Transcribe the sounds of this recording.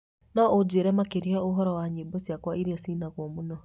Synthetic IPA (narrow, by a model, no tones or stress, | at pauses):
nɔod͡ʑeɾɛmakeɾiaoɦɔɾɔwaɲeːbosjakwaʔiɾiasiːnaɣwɔmonɔ